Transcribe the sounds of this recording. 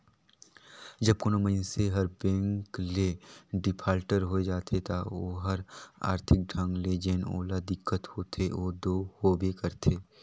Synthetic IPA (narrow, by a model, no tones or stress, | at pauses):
d͡ʒɐbkonoməɪnseɦɐɾbɛ̃ːŋkleɖɪpʰaːlʈəɾɦoed͡ʒaːt̪ʰet̪aoːɦɐɾa̰ːɾt̪ʰɪk̚ɖʱə̃ŋɡled͡ʒeːno̰ːlad̪ɪkːət̪hoːt̪ʰeoːd̪oːhoːbekɐɾt̪ʰeː